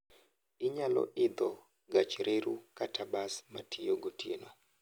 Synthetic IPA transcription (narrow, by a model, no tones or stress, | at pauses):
ɪɲalɔ̰ʔɪd̪ɔ | ɡat͡ʃɾʔeɾukatabasmatʰijoɡotjenwa